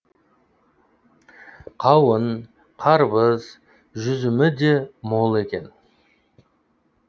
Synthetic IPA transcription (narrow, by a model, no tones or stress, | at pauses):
qʰɑwən | qʰɑɾbəz | ʒʏzɪmɪd̪e̞mo̞lˠe̞kʲe̞n